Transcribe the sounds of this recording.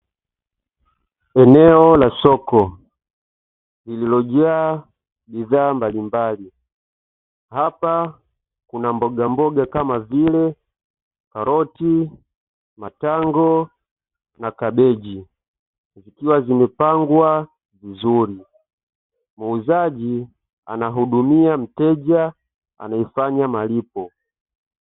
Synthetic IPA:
ɛnɛɔlasɔkɔ | lililɔʄɛa | biðaːmbalimbali | hapa | kunambɔɡambɔɡakamavilɛ | kaɾɔti | mataŋɡɔ | nakaɓɛʄi | zikiwazimɛpaŋɡwa | vizuɾi | muuzaʄi | a̰naɦuɗumiam̩tɛʄa | a̰naifaɲamalipɔ

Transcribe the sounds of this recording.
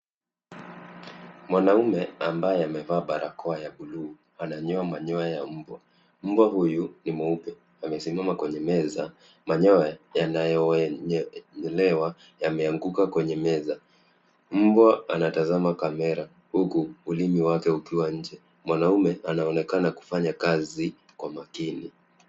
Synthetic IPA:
mwanaumɛambajɛamɛvaːɓaɾʔakɔajaɓuluː | anaɲɔamaɲɔajam̩bwa | m̩bwaɦujunimɔupɛ | amɛsimamakwɛɲɛmɛza | maɲɔajanajɔ | ɲɛlɛwa | jamɛaŋɡukakwɛɲɛmɛza | m̩bwaanatazamakamɛɾa | hukuːlimiwakɛukiwaɲ̩d͡ʒɛ | mwanaumɛanaɔnɛkanaku̥faɲakazi | kwamakini

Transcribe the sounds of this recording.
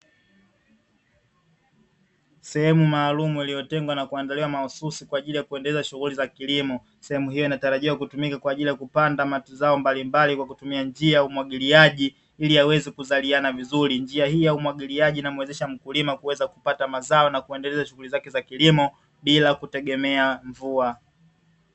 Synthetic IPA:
sɛhɛmumaːlumuilijɔtɛŋɡwanakuandaliwamaususikwaːʄilijakuɛndɛlɛzaʃuɣulizakilimɔ | sɛhɛmuhijɔinataɾaʄiwakutumikakwaːʄilijakupandamatuzaɔmbalimbalikwakutumiand͡ʒiajaumwaɠiliaʄi | iliawɛzɛkuzalianavizuɾind͡ʒiahijaumwaɠiliaʄiːnamwɛzɛʃam̩kulimakuwɛzaku̥patamazaɔnakuɛndɛlɛzaʃuɣulizakɛzakilimɔ | ɓilakutɛɠɛmɛaɱvua

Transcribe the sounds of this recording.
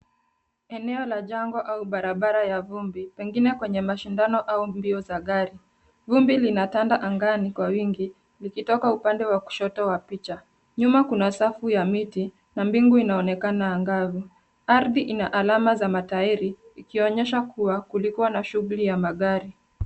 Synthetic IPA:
ɛnɛɔlaʄaŋɡɔʔauɓaɾaɓaɾajavumbipɛŋɡinɛkwɛɲɛmaʃindanɔʔaumbiɔzaɠaɾi | vumbilinatandaʔaŋɡanikwawiŋɡi | likitɔkaupandɛwaku̥ʃɔtɔwapit͡ʃa | ɲumakunasafujamiti | nambiŋɡuinaɔnɛkanaːŋɡavu | aɾðiʔinaʔalamazamataiɾiikiɔɲɛʃakʰuwakulikuwanaʃuɣulijamaɠaɾi

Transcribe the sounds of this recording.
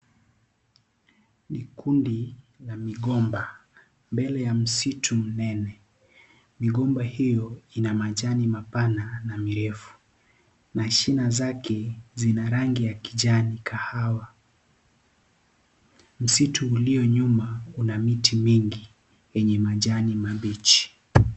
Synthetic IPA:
nikundi | lamiɠɔmba | mbɛlɛjam̩sitʰum̩nɛnɛ | miɠɔmbahijɔinamaʄanimapananamiɾɛfu̥ | naʃinazakɛzinaɾaŋɡijaki̥ʄanikʰahawa | m̩situːliɔɲumaunamitʰimiŋɡi | jɛɲɛmaʄanimaɓit͡ʃi̥

